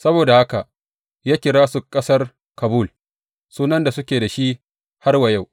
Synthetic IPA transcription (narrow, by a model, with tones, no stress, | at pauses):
sɐ˦boː˨da˨ha˦ka˨ʔ | jaː˦kʲɪ˨ɾaː˦sʊ˨kʼːɐ˦sɐ˦r | kɐ˨bu˦˨l | suː˦nɐ˦nda˨sʊ˦kʲeː˨da˨ʃi˦ | ha˦rwɐ˨ja˦˨w